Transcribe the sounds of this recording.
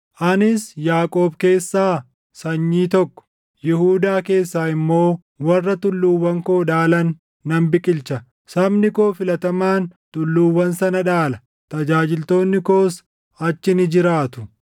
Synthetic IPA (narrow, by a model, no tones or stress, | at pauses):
ʔɐnɪsjaːkʼo̞ːbke̞ːsːaː | sɐɲːiːt̪ɔkːɔ̥ | jɪhuːd̪aːke̞ːsːaːɪmːo̞ː | wɐrːɐt̪ʊlːuːwːɐŋkoːᶑaːlɐnː | ɐmbɪkʼɪlt͡ʃɐ | sɐmnɪko̞ːfɪlɐt̪ɐmaːnt̪ʊlːuːwːɐnsɐnɐᶑaːlɐ | t̪ɐd͡ʒaːd͡ʒɪlt̪o̞ːnːɪko̞ːs | ɐt͡ʃːɪnɪd͡ʒɪɾaːt̪ʊ̥